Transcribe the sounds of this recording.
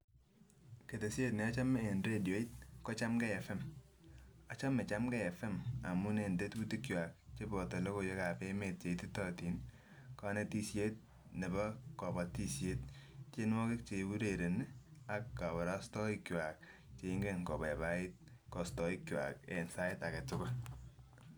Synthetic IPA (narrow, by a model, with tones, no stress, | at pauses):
ke˨te˨sje˦tnɛ˨a˦t͡ʃa˦meː˨nɾe˦djo˨˦i˦t̚kɔ˦t͡ʃa˦mɡɛ˦ɛ˨fɛ˦m | a˦t͡ʃa˦mɛ˨t͡ʃa˦mɡɛ˦ɛ˨fɛ˦ma̰˨mu˦ne˨nde˦t̚bu˦ti˦kjwa˨k̚t͡ʃe˦bɔ˨te˨lo˦ko˨jo˦ka˨pe˦me˨t̚t͡ʃe˨ti˦tɔti˨n | kɔ˦ne˦ti˦sje˦t̚ | ne˨bɔ˦kɔ˨bɔ˨ti˦sje˦t̚t͡ʃe˦nwɔ˦ke˦k̚t͡ʃe˨bu˦ɾe˨ɾe˨na˨kːa˨bɔ˨ɾa˦stɔ˦i˦kjwa˨k̚ | t͡ʃe˨iŋɡe˦ŋkɔ˨bɛ˨ba˦ɪ˦t̚kɔ˨stɔ˨i˦kjwa̰˨ke˨nsa˦ɪ˦ta˨kɛ˨tʊ˦kʊ˦